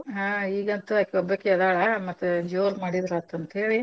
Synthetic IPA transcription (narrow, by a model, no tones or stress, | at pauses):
ɦaiːɡɐnt̪ɐakːeɔbɐkːeɛd̪aːɭɐmɐt̪ːud͡ʒoːɾmaːɽid̪ɾɐt̪ɐnt̪ɐɦeːɭi